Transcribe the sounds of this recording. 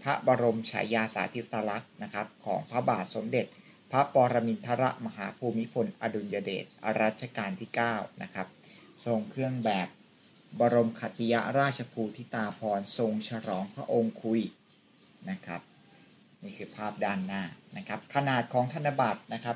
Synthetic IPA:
pʰa˦˥ʔbɔː˧ɾo˧mt͡ɕʰa̰ː˩˦jaː˧sa̰ː˩˦t̪ʰi˦˥sa˧la˦˥k̚na˦˥kʰa˦˥p̚kʰɔː˩˦ŋpʰɾa˦˥baː˨˩t̪̚so˩˦mde˨˩t̪̚ | pʰa˦˥pɔː˧ɾa˧mi˧nt̪ʰa˦˥ɾa˦˥ʔma˧ɦa̰ː˩˦pʰuː˧mːi˦˥pʰo˧nʔa˧du˧njaː˧dḛː˨˩t̪̚ʔa˧ɾaː˦˥˩t̪̚t͡ɕʰa˧kaː˧nt̪ʰiː˥˩kaː˥˩wna˦˥kʰa˦˥p̚so˧ŋkʰɾɯ˥˩əŋbɛː˨˩p̚ | bɔː˧ɾo˧mkʰa˨˩t̪ʰi˧ja̰˦˥ɾaː˥˩t̪̚t͡ɕʰa˧pʰuː˧t̪ʰi˦˥˩t̪aː˧pʰɔː˧nso˧ŋt͡ɕʰa˧ɾɔː˩˦ŋpʰɾa˦˥ʔo˧ŋkʰu˧j | na˦˥kʰa˦˥p̚ | niː˥˩kʰɯː˧pʰaː˥˩p̚daː˧nːaː˧˥˩na˦˥kʰa˦˥p̚kʰa˧naː˨˩t̪̚kʰɔː˩˦ŋt̪ʰa˧nːa˧ba˨˩t̪̚na˦˥kʰa˦˥p̚

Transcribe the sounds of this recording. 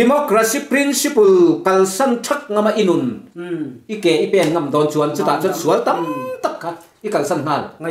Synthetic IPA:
di˨mɔ˦kɾa˧si˧pɾi˦nsi˦pu˨lkɐ˨lsɐ˦˥˨ntʰɐ˦k̚ŋɐ˧ma˧˨ʔi˧nu˨n | ʔi˦kɛː˨ʔi˦pɛː˧˩˨nŋɐ˧˨md̪ɔ˨˧nt͡su˨ɐnt͡su˦t̪a˨t͡su˧˦nsu˨ɐ˦lt̪ɐ˦mt̪ɐ˦p̚kʰa˧t̪ | ʔi˦kɐ˨lsɐ˥˨nn̥a˧˨l

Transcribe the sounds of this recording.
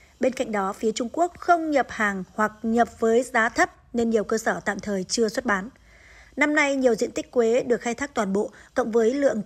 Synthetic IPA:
ɓe˧nka̰˧˨jŋ̟ɗɔ˨˦fi˨˦ət͡ɕʊ˧ŋ͡mku˦˥ək̚xə˧wŋ͡mɲə˨˩p̚haː˨˩ŋhwa˨˩k̚ɲə˨˩p̚vəː˨˦jzaː˨˦t̪ʰə˦˥p̚ne˧nɲi˨˩əwkəː˧səː˧˩t̪a̰ː˧˨mt̪ʰəː˨˩jt͡ɕɨ˧əswə˦˥t̚ɓaː˨˦n | na˧mna˧jɲi˨˩əwzḭ˧ənt̪k̟̚kwe˨˦ɗɨ˨˩ək̚xaː˧jt̪ʰaː˦˥k̚t̪waː˨˩nɓo̰˧˨kɔ̰˧˨wŋ͡mvəː˨˦jlɨ̰˧˨əŋ

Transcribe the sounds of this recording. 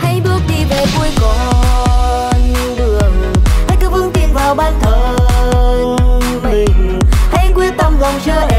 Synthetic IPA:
ha˧˦jɓɨ˦˥ək̚ɗi˧˩ve˨˩ku˧əkɔ˨˦ | n | ɗɨ˨˧˩ək̚ha˧˦jk̚ːfɨ˧əŋt̪ḭ˧˨ənvaː˨˩wɓaː˧nt̪ʰəː˨˩˧ | ha˧˦jkwi˧ənt̪ə˧wŋ͡mɣə˨˩wŋ͡mzəː˧˨

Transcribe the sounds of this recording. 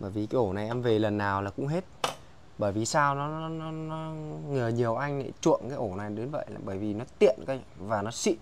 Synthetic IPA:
ɓəː˧˩jvi˨˩kaː˨˦jʔo˧˩na˨˩jʔɛ˧mve˨˩lə˨˩nːaː˨˩wlaː˨˩kʊ̰˧˥ŋ͡mɦe˦˥t̚ | ɓəː˧˩jvi˨˩saː˧wnɔ˨˦˨nɔ˨˦nɔ˨˦ŋəː˨˩ɲi˨˩əwʔa˧jŋ̟na̰˧˦t͡ɕṵ˧˨ənkaː˨˦jʔo˧˩na˨˩jɗə˨˦nvə̰˧˨ja˨˩ɓəː˧˩jvi˨˩nɔ˨˦t̪ḭ˧˨ənkaː˨˦vaː˨˩nɔ˨˦sḭ˧˨

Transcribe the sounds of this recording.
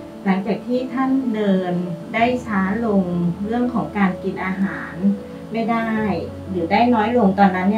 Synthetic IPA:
la˩˦ŋt͡ɕaː˨˩k̚t̪ʰiː˥˩t̪ʰa˥˩ndɤː˧ndaː˥˩jt͡ɕʰaː˦˥lo˧ŋɾɯ˥˩əŋkʰɔː˩˦ŋkaː˧nki˨˩nʔaː˧ɦaː˩˦n | ma˥˩jdaː˥˩j | lɯː˩˦daː˥˩jnɔː˦˥jlo˧ŋt̪ɔː˧nːa˦˥nːiː˥˩

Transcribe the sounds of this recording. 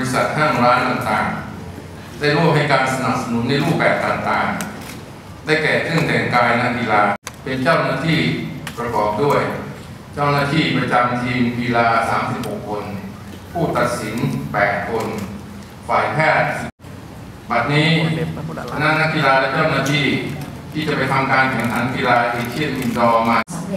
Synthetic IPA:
i˦˥sa˨˩t̪̚kʰa˥˩ŋɾaː˦˥nt̪a˨˩ŋt̪a̰ː˨˩ŋ | daː˥˩jɾo˥˩p̚ha˥˩jkaː˧nsa˧na˨˩p̚sa˧nu˩˦nːa˧jɾuː˥˩p̚bɛː˨˩p̚t̪a˨˩ŋt̪aː˨˩ŋ | daː˥˩jkɛː˨˩t͡ɕʰɯ˥˩əŋt̪ɛ˨˩ŋkaː˧jna˦˥ʔki˧laː˧pe˧nt͡ɕa˥˩wnaː˥˩t̪ʰiː˥˩pɾa˧kɔː˨˩p̚du˥˩əj | t͡ɕa˥˩wnaː˥˩t̪ʰiː˥˩pɾa˧t͡ɕa˧mt͡ɕʰiː˧nwiː˧laː˧saː˩˦msi˨˩p̚ho˨˩kʰːo˧n | pʰuː˥˩t̪a˨˩t̪̚si˩˦npɛː˨˩t̪̚kʰo˧n | faː˨˩jpʰɛː˥˩t̪̚ | ba˨˩t̪̚niː˦˥ | na˦˥ʔna˦˥ʔ̚ki˧laː˧lɛ˦˥t͡ɕaː˥˩wnaː˥˩t̪ʰiː˥˩t̪ʰiː˥˩t͡ɕa˨˩pa˧jt̪ʰa˧mkaː˧nkʰɛː˨˩˦ŋt̪ʰa˩˦˥nki˧laː˧ʔeː˧˩t͡ɕʰi˥˩ənʔi˧˩ndɔː˧ma˧˩s

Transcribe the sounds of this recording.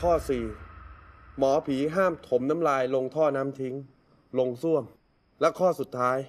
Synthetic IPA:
kʰɔː˥˩siː˨˩ | mɔː˩˦pʰiː˩˦ɦaː˥˩mt̪ʰo˩˦mna˦˥mlaː˧jlo˧ŋt̪ʰɔː˥˩naː˦˥mt̪ʰi˦˥ŋ | lo˧ŋsu˥˩əm | lɛ˦˥kʰɔː˥˩su˨˩t̪ʰːaː˦˥j

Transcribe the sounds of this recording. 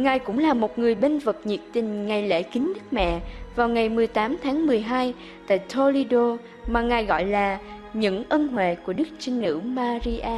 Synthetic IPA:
ŋaː˨˩jkʊ̰˧˥ŋ͡mlaː˨˩mo˨˩t̚ŋɨ˨˩əjɓe˧nvə˨˩k̚ɲḭ˨˩əp̚t̪ï˨˩ŋ̟ŋa˨˩jlḛ˧˥kï˨˦ŋ̟ɗɨ˦˥k̚mɛ̰˧˨vaː˨˩wŋa˨˩jmɨ˨˩əjt̪aː˨˦mt̪ʰaː˨˦ŋmɨ˨˩əjɦaː˧j | t̪a̰ː˧˨jt̪ʰo˧li˧ɗo˧ | maː˨˩ŋaː˨˩jɣɔ̰˧˨jlaː˨˩ | ɲɨ̰˧˥ŋʔə˧nɦwḛ˧˨ku˧˩əɗɨ˦˥k̚t͡ɕï˧ŋ̟nɨ̰˧˥wmaː˧zi˧ʔaː˧

